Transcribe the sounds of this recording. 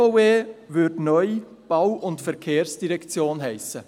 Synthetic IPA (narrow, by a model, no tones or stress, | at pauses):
oweːʋʏɾdnœʏ | b̥awʔʊntfɛɾkʰeːɾsd̥iɾɛkt͡sjoːnɦɛɪsə